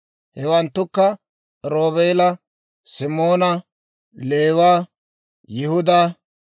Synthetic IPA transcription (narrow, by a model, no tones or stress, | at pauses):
hɛwɐnt̪ːʊkːɐ | ɾoːβeːlɐ | sɪmo̞ːnɐ | le̞ːwaː | jɪhʊd̪aː